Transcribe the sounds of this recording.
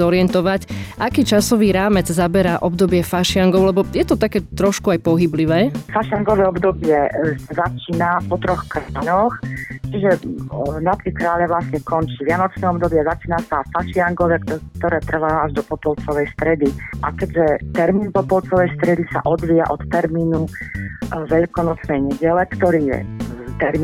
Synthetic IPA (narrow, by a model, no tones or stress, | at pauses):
ɔɾɪɛnt̪ɔʋacʔakiːt͡ʃasɔʋiːɾaːmɛd͡zzabɛɾaʔɔbd̪ɔbɪɛfaʃɪaŋɡɔʊlɛbɔjɛt̪ɔt̪akɛːt̪ɾɔʃkuajpɔɦibliʋɛːfaʃɪaŋɡɔʋɛːɔbd̪ɔbɪɛsazat͡ʃiːnapɔt̪ɾɔxkɾaːʎɔxt͡ʃiʒɛnap̪ɾikɾaːʎaʋlasɲɛkɔnt͡ʃiːʋɪanɔt͡ʃnɛːɔbd̪ɔbɪɛzat͡ʃiːnasafaʃɪaŋɡɔʋɛːkk̚t̪ɔɾɛːt̪r̩ʋaːaʒd̪ɔpɔpɔlt͡sɔʋɛjst̪ɾɛd̪iʔakɛɟʒɛt̪ɛɾmiːnpɔpɔlt͡sɔʋɛjst̪ɾɛd̪isa̰ʔɔd̪ʋija̰ʔɔt̪ːɛɾmiːnu | ʋɛʎkɔnɔt͡snɛjɲɛɟɛlɛkt̪ɔɾiːjɛ̰t̪ɛɾm